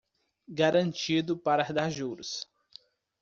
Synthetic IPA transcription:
ɡaɾɐ̃nt͡ʃid̪ʊpaɾahd̪aɾʒuɾʊs

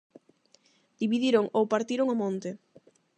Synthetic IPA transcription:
d̪̥iβiðiɾoŋowpaɾt̪iɾoŋomõnt̪e

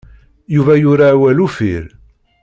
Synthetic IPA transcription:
juvæjʊɾaːwælufḭɾ

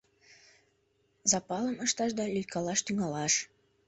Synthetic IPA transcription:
zɑpɑləməʃt̪ɑʃd̪ɑlʲyjkɑlɑʃt̪yŋɑlɑʃ

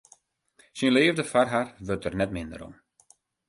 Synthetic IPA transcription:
sinleːvdəfarɦarʋøtərnɛtmɪndə̰ɾɔ̰m

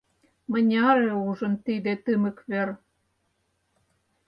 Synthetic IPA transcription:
mə̆nʲɑɾeuʒə̆nt̪id̪ĕt̪ɨmə̆kβer

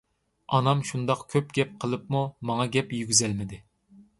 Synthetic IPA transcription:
ɑnɑmʃund̪ɑqkʲʰøpɡʲɛp̚qʰəlˠɨpmumɑŋɑɡʲɛpjyɡʲyzɛlmɪd̪ɪ

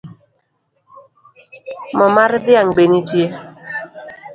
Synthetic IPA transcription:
mɔmaɾd̪ɪaŋbenitje

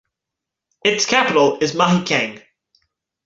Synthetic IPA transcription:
ɪtskʰapɪtəlɪzmʌɦikʰɛ̃ɪ̃ŋ

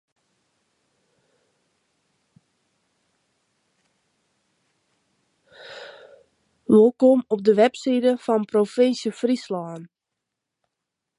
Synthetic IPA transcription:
ʋokomɔp̚dəʋɛpsidəfɔnprofɪnsjəfrislɔːn

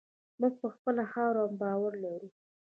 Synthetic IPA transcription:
muɡ̚pəxpəlahɑwɾambɑwaɾlaɾu

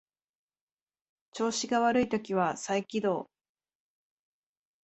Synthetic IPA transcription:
t͡ɕo̞ːɕiɡaβaɾɯit̪o̞kʲiβasaikʲid̪o̞ː

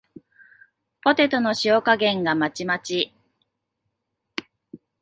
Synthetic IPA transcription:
po̞t̪e̞t̪o̞no̞ɕiokaɡẽ̞ŋɡamat͡ɕimat͡ɕi

